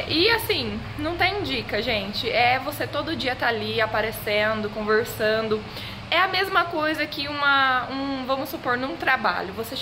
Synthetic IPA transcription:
ʔɪasĩ | nɐ̃w̃t̪ẽj̃d͡ʒikɐʒẽnt͡ʃɪʔɛvoset̪od̪ʊd͡ʒiɐt̪aaliapaɾesẽnd̪ʊkõveɾsɐ̃nd̪ʊ | ɛɐmezmɐkojzɐkɪũmɐũvɐ̃mʊsʊpoɾnũt̪ɾaba̰ʎʊvose

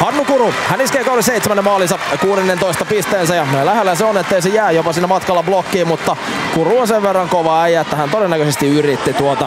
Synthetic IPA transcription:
hɑnːukuruhæniskeikɑoliseit̪semænːemɑːlisɑkuːɾenːent̪oist̪ɑpist̪eːnsæjɑlæhelːæseonet̪ːeisejæːjopɑsinːæmɑt̪kɑlːɑblokːiːmut̪ːɑ | kuruonseʋʋerːɑŋkoʋɑæijæet̪ːæhænt̪odenːækøsest̪iyrit̪ːit̪uot̪ɑ

